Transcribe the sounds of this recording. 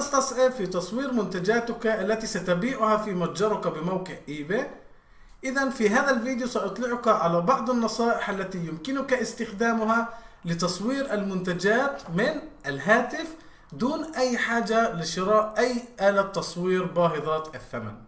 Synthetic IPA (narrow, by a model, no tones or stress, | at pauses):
ast̪ɑsˤʕɪfit̪ɑsˤwiːɾmʊnt̪ad͡ʒaːt̪ʊkaʔalːat̪isat̪abiːʔʊhafimad͡ʒɑɾˤʊkabɪmawqɪʕʔiːbe | ʔɪðanfiɦaːðalviːd̪jusaʔɑt̪ˤlɪʕʊkaʕalabɑʕd̪ˤɑnːɑsˤɑːʔɪħʔalːat̪ijʊmkɪnʊkaʔɪst̪ɪxd̪aːmʊɦalɪt̪ɑsˤwiːɾʔalmʊnt̪ad͡ʒaːt̪mɪnʔalɦaːt̪ɪf | d̪uːnʔajːħaːd͡ʒalɪʃɪɾɑːʔʔajːʔaːlat̪ːɑsˤwiːɾbɑːɦɨðˤɑt̪aθːama̰n